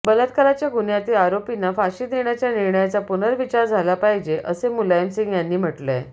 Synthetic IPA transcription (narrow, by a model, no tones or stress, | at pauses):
bələt̪kalat͡ɕjaɡunjat̪iːaɾopinafaɕiːd̪eɳjat͡ɕjaniɾɳəjat͡sapunəɾʋit͡ɕaɾd͡zʱalapaɦid͡ʑeʔəsemulajəmsĩŋɡjanːiːm̤əʈle